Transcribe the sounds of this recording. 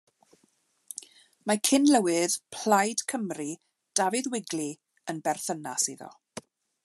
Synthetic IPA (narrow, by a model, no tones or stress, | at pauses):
makʰɪnləwɪð̥pʰl̥ajd̥kʰəmri | d̥avɨðwɪɡli | ənbɛrθəna̰siðɔ̰